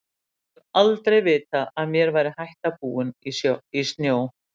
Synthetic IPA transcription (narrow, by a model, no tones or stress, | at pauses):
nalt̪ɾejvɪːt̪aaðmjɛɾvaːjɾɪhajht̪apuːʏniist̪njoːw